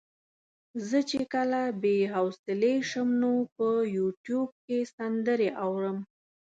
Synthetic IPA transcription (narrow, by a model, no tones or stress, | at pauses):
zət͡ʃekəlabeɦawsɪleʃəmnopəjuʈjub̚kesand̪əɾeʔawɾəm